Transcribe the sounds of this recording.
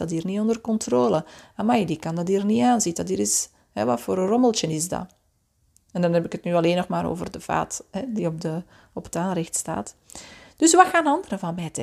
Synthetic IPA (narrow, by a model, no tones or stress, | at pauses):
ɑtɦiːrniɔndərkɔntroːləamajdikɑndɑtiːrniaːnzitdɑtiːɾɪs | hɛ̰ʋɑ̰tfoːɾərɔməlˠtənɪsdɑ̰ | ɛndɑnɦɛbɪkətnyːɑleːnːɔxmaːɾo̰ːvərdəv̥a̰ːthɛdiɔp̚də | ɔpə̥taːnrɪxtsta̰ːtd̥ʏsʋaxaːnɑndəɾəvɑnmɛːtə